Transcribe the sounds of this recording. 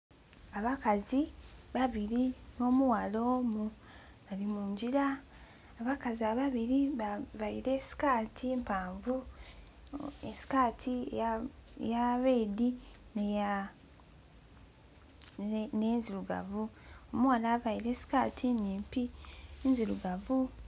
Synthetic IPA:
aβakaziβaβiɾino̞ːmuwalo̞ːmu | βalimuːɲɟiɾaː | βakaziaβaβiɾiβajiɾe̞si̥kaːtʰimpaːɱvu | esi̥kaːtʰi | ḛjaβe̞ːdineja | nenziɾuɡa̰vuomuwalaβajiɾe̞ːsi̥kaːtʰiniːmpinziɾuɡavu

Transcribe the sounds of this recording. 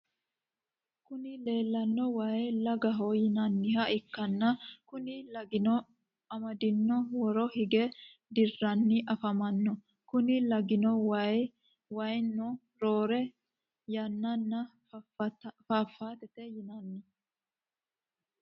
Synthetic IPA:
kʊnɪle̞ːlːɐnːɔwajlɐɡɐɦɔjɪnɐnːɪhɐʔɪkːɐnːɐkʊnɪlɐɡɪnɔ | ɐmɐd̪ɪnːɔwɔɾɔhɪɡɛ | d̪ɪrːɐnːɪʔɐfɐmɐnːɔ | kʊnɪlɐɡɪnɔwɐj | wɐjnːɔ | ɾoːɾɛ | jɐnːɐnːɐ | faːfːaːt̪ɛt̪ɛjɪnɐnːɪ

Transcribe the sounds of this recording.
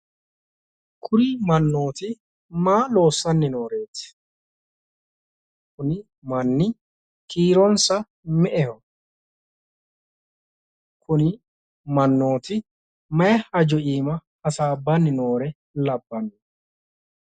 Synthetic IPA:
kʰʊɾiːmɐnːo̞ːt̪ɪ | maːlo̞ːsːɐnːɪno̞ːɾeːt̪ɪ̥ | kʊn | mɐnːɪ | kiːɾɔnsɐ | mɛʔɛhɔ | kʰʊnɪ | mɐnːo̞ːt̪ɪ | mɐjɛhɐd͡ʒɔʔiːmɐː | saːbːɐnːɪnoːɾɛ | lɐbːɐnːʊ

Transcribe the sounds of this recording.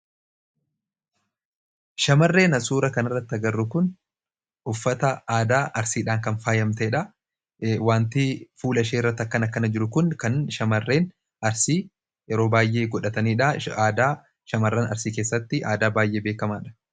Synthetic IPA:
ʃɐmɐrːe̞ːnɐsuːɾɐkɐnɪrːɐt̪ːɐɡɐrːʊkʊn | ʊfːɐt̪ɐaːd̪aːʔɐɾsiːᶑaːŋkɐnfaːjɐmt̪ɐɛᶑɐ | waːnt̪ɪfuːlɐʃeːɪrːɐt̪ːɐkːɐnɐkːɐnɐd͡ʒɪɾʊkʊnkɐnʃɐmɐrːe̞ːn | ɐɾsiː | jɛɾo̞ːbaːjʔe̞ːɡɔᶑɐt̪ɐniːᶑɐaːd̪aː | ʃɐmɐrːɐnɐ̰ɾsiːke̞ːsːɐt̪ːɪʔaːd̪aːbaːjʔe̞ːbeːkɐmaːᶑɐ̥

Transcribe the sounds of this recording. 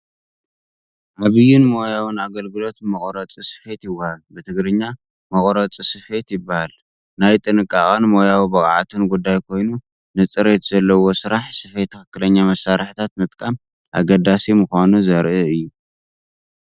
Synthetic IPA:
ʔaβɨjunmo̞jawɨnaɡɐlɡɨlo̞t̪mɐχʼɾɐt͡sʼisɨ̥fe̞t̪jɪwːɐhalbɨt̪ʰɨɡɾɨɲːa | mɐχʼɾɐt͡sʼisɨfe̞t̪jɪbːahal | najt̪ʼɨnɨkʼːa̰χʼanmo̞jawibɐkʼʕa̰t̪ʰɨnɡud̪ːajkʰo̞jnu | nɨt͡sʼɨɾe̞t̪z̥ɐlːɐwo̞sɨɾaħsɨfe̞t̪ʰːɨxɨkːɨlɐɲːamɐsaɾħɨt̪ʰat̪̚mɨt̪ʼkʼam | ʔa̰ɡɐd̪ːasimɨxʷanuzɐɾʔɨɨjːu

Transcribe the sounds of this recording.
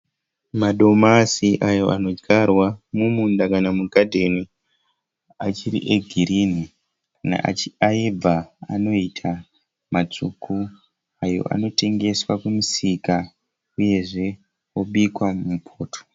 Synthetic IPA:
maɗo̞masiʔajo̞ʔano̞d͡ʒɡarwamumundakanamuɡʱadʱe̞ni | at͡ʃiɾḭʔe̞ɡʱiɾini | kana̰ʔa̰t͡ʃiaibaa̰no̞itʰa | mat͡sukʰu | ajo̞̰ʔa̰no̞te̞ŋɡe̞swakumusika | uje̞ʐe̞ | oɓikwamumupʰoːtʰo̥

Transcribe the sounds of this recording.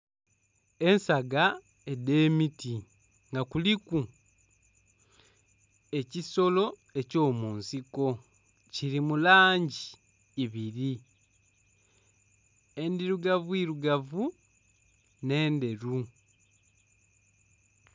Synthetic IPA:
e̞nsaɡa | e̞de̞miti | ŋɡakuliku | e̞ciso̞lo̞ | e̞co̞ːmuːnsiko̞ | ciɾimulaːɲɟiː | βiɾi | e̞ndiɾuɡavuiːɾuɡavu | ne̞ːnde̞ɾu

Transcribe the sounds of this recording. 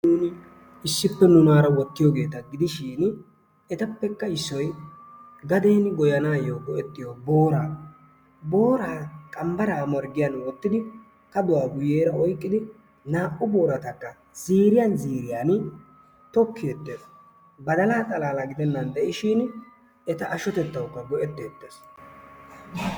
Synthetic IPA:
nuːnɪ | ɪsːɪpːɛnʊnaːɾɐwɔt̪ːɪjɔɡe̞ːt̪ɐɡɪd̪ɪʃiːn | ɛt̪ɐpːɛkːɐɪsːɔj | ɡɐd̪eːnɡɔjɐnaːjoːɡɔʔɛt̪ːɪjobo̞ːɾaː | bo̞ːɾaːkʼɐmbɐɾaːmɐɾɡɪjanwɔt̪ːɪd̪ɪ | kɐd̪ʊwaːɡʊjeːɾɐɔjkʼːɪd̪ɪ | naːʔʊbo̞ːɾɐt̪ɐkːɐ | z̥iːɾɪjanziːɾɪjaːn | t̪ɔkːɪjɛt̪ːes | bɐd̪ɐlaːt͡s̪ʼɐlaːlɐɡɪd̪ɛnːɐnd̪ɛʔɪʃɪn | ɛt̪ɐʔɐʃɔt̪ɛt̪ːɐwkːɐɡɔʔɛt̪ːeːt̪ːes

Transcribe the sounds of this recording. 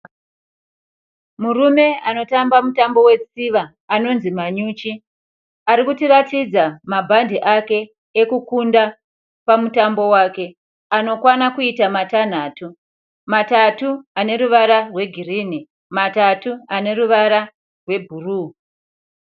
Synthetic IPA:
murume̞ano̞tambamutambo̞we̞t͡siʋaː | no̞nzimaɲut͡ʃi | aɾikutiratid͡zamabʱandiʔake̞ː | kukunda | pamutambo̞wake̞ | ano̞kwanakuitamatan̤aːtu | matatuane̞ɾuʋaɾarwe̞ɡʱirini | matatuane̞ruʋaɾa | rwe̞bʱuruː

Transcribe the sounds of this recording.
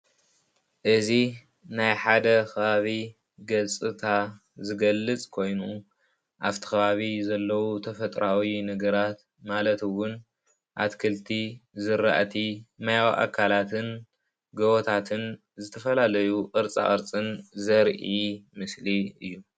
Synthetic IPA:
ʔɨzi | najħad̪ɐxʰɐβaβi | ɡɐt͡sʼɨt̪ʰa | zɨɡɐlːɨt͡sʼkʰo̞jnu | ʔaβt̪ʰi̥xɐβaβizɐlːɐwut̪ʰɐfɐt̪ʼɾawinɐɡɐɾat̪ | malɐt̪ɨwʊn | ʔa̰t̪kʰɐlt̪ʰizɨɾa̰ʔt̪ʰimajawʔa̰kʰːalat̪ʰɨn | ɡɐwot̪ʰat̪ʰɨn | zɨt̪ʰɐfɐlalɐjuqʼɨɾt͡sʼa̰ʔʼɨɾt͡sʼɨnzɐɾʔimɨsliɨjːu

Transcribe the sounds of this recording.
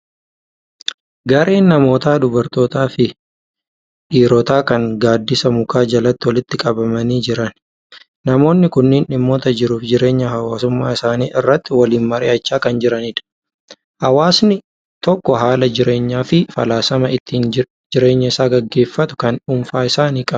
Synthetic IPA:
ɡɐɾʔe̞ːnːɐmo̞ːt̪aːd̪ʊbɐɾt̪o̞ːt̪aːfɪ | ᶑiːɾɔt̪aːkɐŋɡaːd̪ːɪsɐmʊkaːd͡ʒɐlɐt̪ːɪwɔlɪt̪ːɪkʼɐbɐmɐniːd͡ʒɪɾɐn | nɐmo̞ːnːɪkʊnːɪːnɪmːoːt̪ɐd͡ʒɪɾuːfd͡ʒɪɾe̞ːɲːɐɦɐwaːsʊmːaːɪsaːniːʔɪrːɐt̪ːɪwɐliːnmɐɾɪ̰ʔɐt͡ʃːaːkɐnd͡ʒɪɾɐnɪᶑ̪ɐ̥ | hɐwaːsnɪ | t̪ɔkːɔɦaːlɐd͡ʒɪɾʔe̞ːɲːaːfɪfɐ̰laːsɐmɐɪt̪ːiːn | d͡ʒɪɾe̞ːɲːɐɪsaːɡɐɡːe̞ːfːɐt̪ʊ̥kɐnuːmfaːɪsaːniːkʼɐb

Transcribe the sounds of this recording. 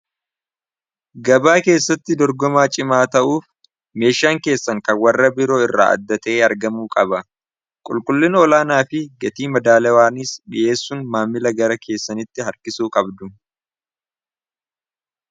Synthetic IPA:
ɡɐbaːke̞ːsːɐt̪ːɪd̪ɔɾɡɔmaːt͡ʃʼɪmaːt̪ɐʔuːf | me̞ːʃaːŋke̞ːsːɐŋkɐnwɐrːɐbɪɾo̞ːɪrːa̰ːʔɐ̰d̪ːɐt̪eːɐɾɡɐmuːkʼɐbɐ | kʼʊlkʼʊlːɪnɔlaːnaːfɪɡɐt̪iːmɐd̪aːlɐwaːnɪsᶑɪʔe̞ːsːʊnmaːmːɪlɐɡɐɾɐkʰe̞ːsːɐnɪt̪ːɪɦɐɾkɪsuːkʼɐbd̪ʊ

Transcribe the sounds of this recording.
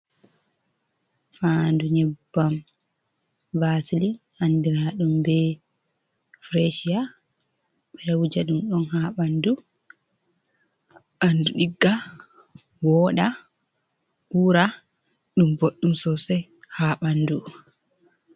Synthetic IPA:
fanduɲɛbːam | vasilihandiɾaɗumbɛ | fɾeʃia | ɓɛɗawud͡ʒaɗumɗɔnhaɓandu | ʔanduɗiɡːa | wɔɗa | kuːɾa | ɗumboɗːumsɔsɛhaːɓandu

